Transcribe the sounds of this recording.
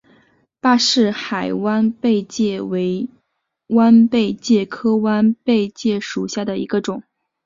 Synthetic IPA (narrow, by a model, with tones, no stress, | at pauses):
pa˥˧ʂɻ̩˥˩xa˨˩ɪwa˥npe˥˧ɪt͡ɕjɛ˥˩we˧˥ɪ | wa˥npe˥˧ɪt͡ɕjɛ˥˩kʰɤ˥wa˥npe˥˧ɪt͡ɕjɛ˥˩ʂu˨˩ɕja˥˩d̪ə˩ḭ˧˥ɡə˧ʈ͡ʂʊ˨˩˦ŋ